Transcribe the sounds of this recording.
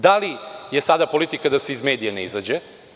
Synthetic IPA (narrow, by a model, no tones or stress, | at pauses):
d̪alijesad̪apolit̪ikad̪aseizmeːd̪ijaneizad͡ʑe